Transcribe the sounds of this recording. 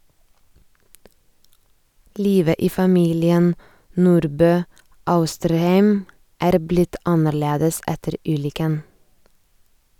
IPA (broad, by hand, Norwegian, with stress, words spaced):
ˈliːʋə ˈiː fɑˈmiːlɪən ˈnuːɾbøː ˈɑʉstəɾˌhæɪm ˈæːɾ ˈblɪt ˈɑnəɾˌleːdəs ˈɛtəɾ ˈʉːlʏkən